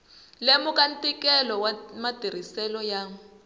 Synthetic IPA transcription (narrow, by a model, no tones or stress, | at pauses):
lemukantʼikɛlɔwamatir̤isɛlɔjaːŋu